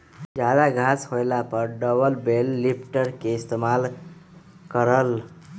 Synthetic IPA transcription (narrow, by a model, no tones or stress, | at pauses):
d͡ʒad̪aɡʱashojlapəɾɖəbəlbelːipʰʈəɾkeist̪emal | kəɾəl